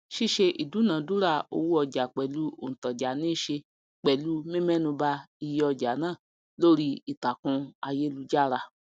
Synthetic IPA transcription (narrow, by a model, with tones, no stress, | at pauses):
ʃi˦ʃe˧ʔi˨du˨˦nã˨˦du˦ɾa˦˨o̰˧wu˦ɔ˧d͡ʒa˨k͡pɛ˨lu˨˦o˨n̩˨tɔ˨d͡ʒa˨˦nĩ˦ʃe˧ | k͡pɛ˨lu˨˦mĩ˦mɛ̃˦nũ˧ba˦i˧je˧ɔ˧d͡ʒa˨˦nãː˦˨ | lo˦ɾi˦i˨ta˨kũ˧a˧je˦lu˧˦d͡ʒa˦˨ɾa˧